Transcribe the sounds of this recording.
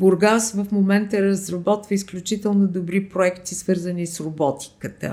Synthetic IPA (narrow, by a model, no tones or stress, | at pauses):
boɾɡassvəfmomɛnt̪əɾəzɾɐbɔt̪vəisklʲut͡ʃit̪ɛlˠnod̪obɾipɾoɛkt̪isvɤɾzənisɾobɔt̪i̥kət̪ə̰